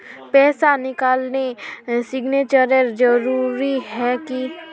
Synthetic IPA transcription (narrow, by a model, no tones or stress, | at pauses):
pɛːsanɪkaːlnesɪɡneːt͡ʃəɾəɾd͡ʒəɾuːɾiɦɛki